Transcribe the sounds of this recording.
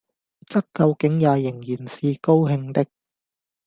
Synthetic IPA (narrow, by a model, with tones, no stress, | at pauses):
t͡sɐ˥k̚kɐ˧wkɪ˨˥ŋjaː˨˧jɪ˨˩ŋjiː˨˩nsiː˨ko˥wɦɪ˧ŋt̪ɪ˥k̚